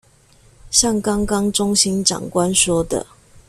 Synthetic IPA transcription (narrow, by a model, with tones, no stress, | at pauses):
ɕjɑ˥˨ŋkɑ˦ŋkɑ˦ŋʈ͡ʂʊ˥˦ŋɕi˦nʈ͡ʂɑ̰˨˩ŋkwa˦nʂwɔ˥˦d̪ə̰˨